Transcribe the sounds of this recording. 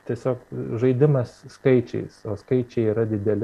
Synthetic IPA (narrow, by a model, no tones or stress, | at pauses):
t̪ʲiɛsʲoːkʒɐɪd̪ʲɪmɐsskɐɪt͡ʃʲɛ̰ɪsoːskɐɪt͡ʃʲɛɪiːɾɐd̪ʲɪd̪ʲɛlʲ